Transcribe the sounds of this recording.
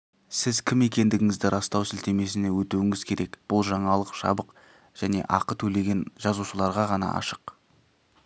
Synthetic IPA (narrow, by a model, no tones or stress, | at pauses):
sɪzkʲʰɪme̞kʲe̞nd̪ɪɡʲɪŋɪzd̪ɪɾʔɑst̪ɑwsɪlt̪e̞me̞s̬ɪne̞wɵt̪uwɪŋɪz̥kʲʰe̞ɾʔe̞kb̥ʊlˠʒɑɴɑlˠəqʃɑ̰bəq | ʒ̥æne̞̰ʔɑqət̪ʰɵle̞ɡʲe̞nʒɑzuʃəlˠɑɾʁɑʁɑnɑ̰ʔɑ̰ʃə̥q